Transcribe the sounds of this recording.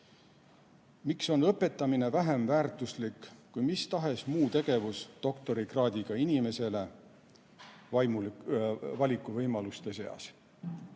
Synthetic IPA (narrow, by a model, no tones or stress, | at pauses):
mikso̞nɤpːˑe̞t̪ːˑɑmine̞væɦemvæːrt̪ˑuslikkujmist̪ɑɦe̞smuːt̪e̞ɡ̥e̞vusd̪̥o̞kt̪o̞ɾikrɑːd̪̥ʲiɡ̥ɑinʲime̞se̞le̞ | vɑjmu | vɑlʲikˑːuvɤjmɑlust̪e̞se̞ɑ̰s